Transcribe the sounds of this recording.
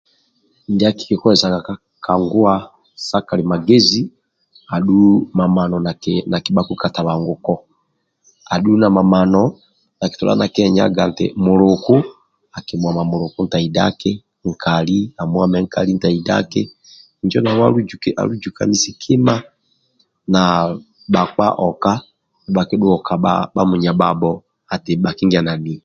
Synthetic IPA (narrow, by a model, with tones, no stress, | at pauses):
n˨di˦a˦ki̥˨kɛ˨kɔ˦ɛ˨sa˨ka˨ka | ka˨ŋɡu˦a˦ | sa˦ka˨li˨ma˨ɡe˦zi˦ | a˨ɗu˦ma˨ma˨nɔna˨ki˨ɓa˦ku˦ka˨ta˨βa˨ŋɡu˨kɔ˦ | a˨ɗu˦na˨ma˨manɔ | na˨ki̥˨tɔ˨lʔa̰˦na̰˨kɛɲa̰ɡa˨n˨tɛ̰˨mu˨lu˨ku˦ | a˨ki˨mwa˨ma˨mʊ˨ɾʊ˨ku˦n̩˦ta˨i˨da̰˦kɪ˦ | ŋ̩˨kʰa˨li˦a˨mwa˨mɛ˦ŋ̩ka˨li˦n̩˦ta˨i˨da̰˦kɪ˦ | n̩˦d͡ʒɔ˦na˨wa˦u˦u˨kʔa̰˨lu˦d͡ʒu˨ka̰˨ni˦si˨kʰi˦ma˦ | na˨ | ɓa˨k͡pa̰˦ʔɔ˨ka˦ | nɛ˨ɓa˨ki˦ɗʊ˦ɔ˨ka˨ɓa̰ɓa˦mu˨ɲa˨ɓa˨bɔ˦ | a˨tɪ˨ɓa˨ki˦ŋɡa˨na˨ni˨i